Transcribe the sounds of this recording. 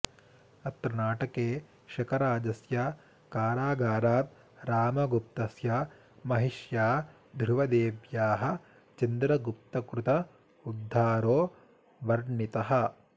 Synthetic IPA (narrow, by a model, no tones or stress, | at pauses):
ɐt̪ɾɐnaːʈɐkeː | ʃɐkʰɐɾaːd͡ʒɐsjɐ | kaːɾaːɡaːɾaːt̪̚ | ɾaːmɐɡup̚t̪ɐsjɐ | mɐɦiʃjaː | d̪ʱɾuʋɐd̪eːʋjaːɦɐ̆ | t͡ʃɐnd̪ɾɐɡup̚t̪ɐkɾut̪ɐ | ud̪ʱːaːɾoː | ʋɐɾɳit̪ɐɦɐ